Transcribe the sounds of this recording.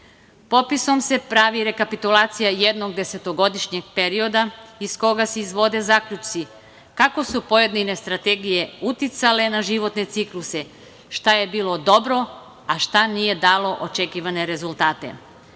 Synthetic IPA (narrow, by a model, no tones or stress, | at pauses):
po̞piso̞mse̞pɾaʋiɾe̞kapit̪ulaːt̪sijajed̪noɡ̚d̪e̞se̞t̪o̞ɡo̞d̪iʃɲeɡ̚pe̞ɾio̞d̪aisko̞ɡaseizʋo̞d̪e̞zakʎut͡ʃt̪si | kako̞supo̞je̞d̪ninest̪ɾat̪eɡije̞ut̪it̪sale̞naʒiʋo̞t̪ne̞t̪siklˠuse̞ | ʃt̪aje̞biːlˠo̞d̪o̞bɾo | aʃt̪anije̞d̪aːlo̞ʔot͡ʃe̞kiʋane̞ɾe̞zulˠt̪aːt̪ḛ